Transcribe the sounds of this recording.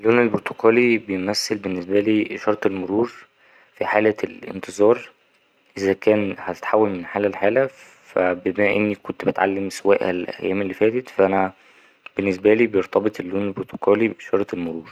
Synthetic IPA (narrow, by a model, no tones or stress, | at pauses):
ʔelːoːnelboɾt̪okʰɑːlibejemæsːelbenːesbæliːʃɑɾˤt̪ˤelmoɾuːɾ | fiħaːlælʔḛnt̪ɨzˤɑːɾˤ | ʔezækæːnhæt̪e̥t̪ħawːælmenħaːlælħaːlæ | fæbemæʔenːikont̪bet̪ʕa̰lːemsowæːʔhælʔæ̰jːæːmelːifæːt̪et̪fæʔænæ | b̥enːesbæliːbejeɾt̪ˤɑbet̪ˤelːuːnelboɾt̪ʰo̥kʰæːlibeʃɑɾˤt̪ˤelmoɾuːɾ